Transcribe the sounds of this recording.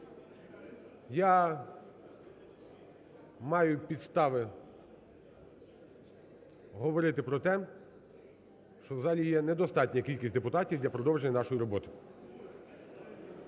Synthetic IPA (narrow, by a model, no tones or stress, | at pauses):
ja | mɑjʊpʲid̪st̪ɑʋɪ | ɦɔʋɔɾɪt̪ɪpɾɔt̪ɛ | ʃt͡ʃɔwzɑlʲijɛnɛd̪ɔst̪ɑtʲnʲɐkʲilʲkʲisʲd̪epʊt̪ɑtʲiwd̪lʲɐpɾɔd̪ɔwʒenʲːɐnɑʃɔjiɾɔbɔt̪ɪ̥